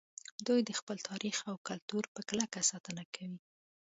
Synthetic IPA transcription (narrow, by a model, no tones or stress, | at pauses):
d̪ujd̪əxpəlt̪ʰɑɾʔixawkalt̪uɾpəklakasɑt̪ənakʰawi